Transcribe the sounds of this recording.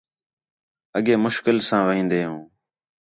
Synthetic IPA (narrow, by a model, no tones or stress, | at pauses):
əɠeːmʊʃkɪlsãːʋĩːnd̪eːɦũː